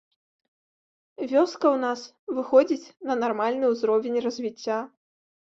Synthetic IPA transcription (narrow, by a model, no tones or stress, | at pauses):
vʲɔskɐwn̪as | vɨxɔd͡zʲit͡sʲnɐnarmalʲnɨwzɾɔvʲɛnʲrɐzʲvʲit͡sʲːa